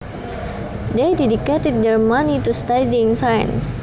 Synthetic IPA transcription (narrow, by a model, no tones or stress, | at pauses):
dejdɛdiket̪ɛd̚dɛɹmanitust̪adiŋsajə̰̃ns